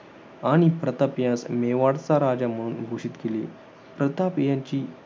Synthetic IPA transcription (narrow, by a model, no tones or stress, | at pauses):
aɽ̃ipɾət̪apjãsmeʋaɽt͡saɾad͡ʑam̤əɽ̃uːnɡʱoɕit̪kele | pɾət̪apjãɲt͡ɕiː